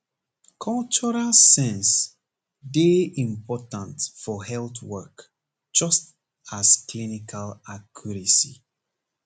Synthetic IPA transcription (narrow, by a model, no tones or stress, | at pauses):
kʰɔlt͡ʃɔɹalsɛ̃ns | deĩmpɔtãntfɔhɛlθwɜk | d͡ʒʌst | asklinikʰalakʰjuɹisi